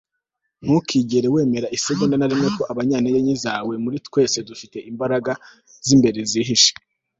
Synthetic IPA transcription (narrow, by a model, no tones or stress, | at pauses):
ŋ̥hukiɟe̞ɾewe̞ːme̞ɾaʔiseɡondanaɾimŋe̞ko̞ʔaβaɲaːnijeɲizaːwe̞muɾitwe̞ːse̞dufite̞ʔimbaɾaɡa | z̥imbe̞ɾeziːɦiʃe̥